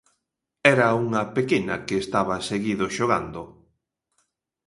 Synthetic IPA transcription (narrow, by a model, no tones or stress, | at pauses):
ɛɾɐuŋɐpekenɐ̰keːst̪aβɐseɣiðoʃoɣa̰nd̪ʊ